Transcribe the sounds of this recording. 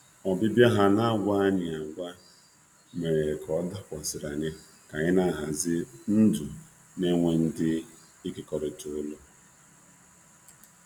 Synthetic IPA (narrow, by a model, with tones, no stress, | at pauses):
ɔ˨bɪ˦bja˦ɦa˦na˦ɡʷa˦ɲɪ˨a˨ɡʷa˦ | me˨ɾe˨kʰɔ˦da˦kʷɔ˨sɪ˨ɾa˨ɲɪ˦ | ka˨ɲɪ˦na˦˨ɦa˨zɪ˦n̩˦du˨ | me˦ŋʷe˨n̩˦dɪ˦ | i˦kɪ˦kɔ˨ɾɪ˨to˨ʊ˦lo˦